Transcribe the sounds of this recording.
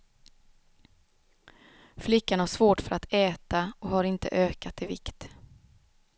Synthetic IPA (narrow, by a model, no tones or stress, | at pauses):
flɪkːanhaʂvoːʈfœɾʔat̪ɛːt̪aɔkhaɾɪnt̪ə̰ʔøːkat̪ɪvɪ̰kt̪